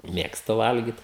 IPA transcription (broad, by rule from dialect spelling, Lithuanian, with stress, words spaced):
ˈmʲeːkstʊ ˈʋɐlʲɡʲɪt